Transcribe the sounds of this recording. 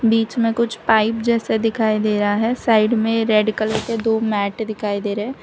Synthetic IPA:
biːt͡ʃmẽkʊt͡ʃʰpaːɪpd͡ʒɛːsed̪ɪkʰaːid̪eːɾɦaɦɛsaːɪɖmẽɾɛɖkəleked̪oːmɛːʈd̪ɪkʰaːid̪eːɾɦɛː

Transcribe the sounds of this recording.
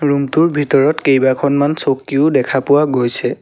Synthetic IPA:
ɹumtuɹbʱitɔɹɔtkejbakʰɔnmansokiʊdɛkʰapʊwaɡojsʰɛ

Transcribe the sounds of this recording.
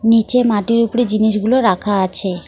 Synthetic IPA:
nit͡ɕemaʈiɾupɽid͡ʑiniʃɡuloɾakʰaat͡ɕʰe

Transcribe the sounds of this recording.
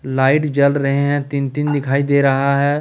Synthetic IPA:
laːɪʈd͡ʒəlɾɐɦeɦɛ̃t̪ɪnt̪ɪnd̪ɪkʰaːid̪eːɾɐɦaɦɛː

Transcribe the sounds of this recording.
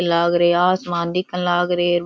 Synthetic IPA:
ɐlːaːɣɪɾeaːsmaːnd̪ɪkːɐlːaːɣɪɾeɾʋ

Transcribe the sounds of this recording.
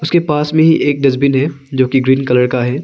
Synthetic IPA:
ʊskepaːsmẽɦiʔeːk̚ɖɪzbɪnɦɛːd͡ʒoːkiɡɾiːnkɐləɾkaɦɛː

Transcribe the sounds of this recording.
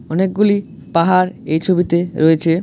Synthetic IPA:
ɔnek̚ɡuli | paɦaɾejt͡ɕʰobit̪eɾoet͡ɕʰe

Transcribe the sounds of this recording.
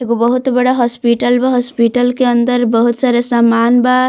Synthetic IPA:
eɡobəɦut̪bəɽaɦɔspiʈəlbaɦɔspiʈəlkeənd̪əɾbəɦut̪saɾəsamanba

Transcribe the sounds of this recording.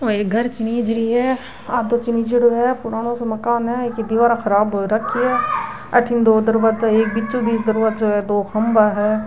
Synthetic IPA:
oeːɡʱəɾt͡ʃɪniːd͡ʒɾiːɦɛː | aːd̪oːt͡ʃɪniːd͡ʒɪɽoɦɛːpʊɽaːnõːsomɐkaːnɦɛkɪd̪iʋaːɾãxʰəɾaːbɾəkʰːiɛː | əʈʰɪnd̪oːd̪əɾʋaːd͡ʒaːeːk̚bɪt͡ʃt͡ʃːob̪iːsd̪əɾʋaːd͡ʒoɦɛːd̪oːxʰɐmbaːɦɛː

